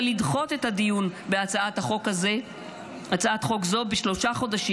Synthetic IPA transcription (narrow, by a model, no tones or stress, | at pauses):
lidχo̞t̪e̞t̪hadijunbeat͡saat̪haχo̞kaze̞ | at͡saat̪χo̞kzo̞beʃlo̞ʃaχo̞daʃi